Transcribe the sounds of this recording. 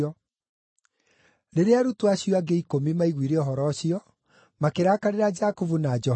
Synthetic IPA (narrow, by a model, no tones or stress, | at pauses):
ɔ | ɾeɾeaɾutoaɕijɔaɡeikomimaiɣwiɾeɔɦɔɾɔɕjɔ | makeɾaːkaɾeɾad͡ʒakuvunad͡ʒɔ